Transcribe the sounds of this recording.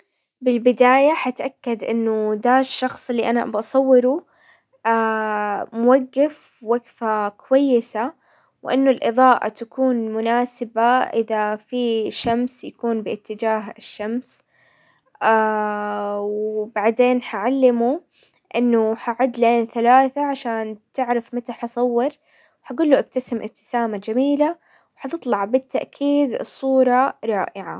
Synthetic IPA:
bɪlbɪd̪aːjaħat̪ʔakːad̪ʔɪnːʊd̪aʃːɑxsˤɪlːiʔanaʔa̰bʔɑsˤɑwːɪɾu | aːmʊwaɡːaf | waɡfakwajːɪsa | wʔɪnːʊlʔɨðˤɑːʔa̰t̪akuːnmʊnaːsɪbaʔɪðafiʃamsjakuːnbɪʔɪt̪ːɪd͡ʒaːɦɪʃːams | a | wbaʕd̪eːnħaʕalːɪmu | ʔɪnːʊħaʕʊd̪leːnθalaːθaʕaʃaːnt̪ɪʕɾafmat̪aħɑsˤɑwːɪɾ | wħaɡuːlːuʔab̚t̪asɪmʔɪ̰b̚t̪ɪ̥saːmad͡ʒamiːla | wħɑt̪ɨt̪ˤlɑʕbɪt̪ʰːaʔkʰiːd̪ɨsˤːuːɾˤɑɾˤɑːʔɪʕa̰

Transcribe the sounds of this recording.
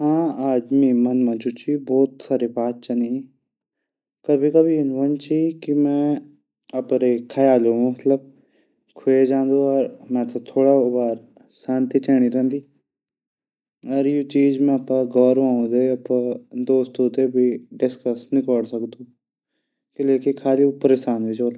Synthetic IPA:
ɦãːaːd͡ʒmĩːmɐnmãːd͡ʒut͡ʃiːbɔːt̪saːɾebaːt̪̚t͡ʃanĩ | kəbʱikəbʱiɪnʋənt͡ʃiːkimɛ̃ː | əpɾekʰəjaːlõmɐt̪ləb̚ | kʰʊed͡ʒãːnd̪õːəɾmɛ̃ːt̪at̪ʰoːɽaːbaːɾ | saːnt̪iːt͡ʃɛːɽ̃iːɾɛ̃ːnd̪iː | əɾjoːt͡ʃiːd͡ʒmɛ̃ːəpːãːɡɔːɾʋãːõd̪eːəpːãːd̪oːst̪oːt̪eːbʱiːɖɪskəsnɪkoːɽsəkd̪ũː | kɪleːkɪkʰaːliːʊpːəɾesaːnʋid͡ʒoːla

